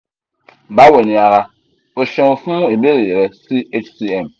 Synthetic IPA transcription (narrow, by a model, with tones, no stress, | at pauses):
ba˦we˨n˨a˨ɣa˦ | o˨ʃɔ̃˨ŋo˨fũ˦e˨be˦ɾe˨je˨ɣɛ˨si˦e˦t͡ʃsi˦ɛ˨m